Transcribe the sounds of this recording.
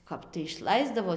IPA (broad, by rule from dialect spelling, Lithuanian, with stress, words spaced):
ˈkɐp tɐɪ ɪʃˈlˠɐɪzdɐʋoː